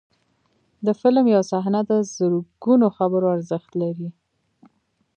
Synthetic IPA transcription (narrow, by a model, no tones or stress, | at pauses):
d̪əfɪlmjawsaɦnad̪əzəɾɡ̥unoxabəɾoaɾzəxt̪laɾi